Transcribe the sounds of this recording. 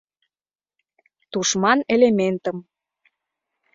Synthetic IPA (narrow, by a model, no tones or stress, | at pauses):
t̪uʃmɑnelement̪əm